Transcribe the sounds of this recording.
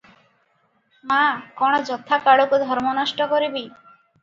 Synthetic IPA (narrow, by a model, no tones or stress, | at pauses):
makɔɽ̃ɔd͡ʒɔt̪ʰakaɭukud̪ʱɔɾmɔnɔʃʈɔkɔɾibi